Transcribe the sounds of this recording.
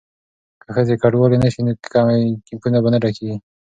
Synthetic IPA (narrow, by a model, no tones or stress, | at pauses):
kaxəzekaɖwɑlenaʃinot̪ɪ̥kɑmakɪmpunabanaɖakiɡi